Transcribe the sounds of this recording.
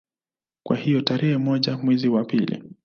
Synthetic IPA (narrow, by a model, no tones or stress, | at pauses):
kwahijɔtaɾɛhɛmɔʄamwɛziwapilḭ